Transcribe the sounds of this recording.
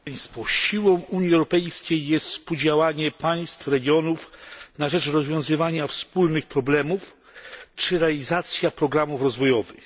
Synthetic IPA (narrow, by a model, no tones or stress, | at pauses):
jst̪fɔɕiwɔ̃w̃uɲjiɛwɾɔpɛjskʲejːɛst̪spud͡ʑawaɲɛpaj̃st̪fɾɛɡʲjɔnufnaʐɛt͡ʂɾɔzvʲjɔ̃w̃zɘvaɲafspulnɘxpɾɔblɛmuf | t͡ʂɘɾɛalʲizat̪sʲjapɾɔɡɾamufɾɔzvɔjɔvɘ̰x